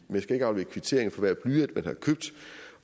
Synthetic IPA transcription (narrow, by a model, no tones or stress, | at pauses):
menjɑsɡ̥æe̝ɡ̥ɑ̈ʊlʋe̝kʰʋit͡sʰe̝ɐ̰eŋ̩fɒ̽ʋæɐb̥lyːd̥mænhɑ̈kʰøb̥̚d̥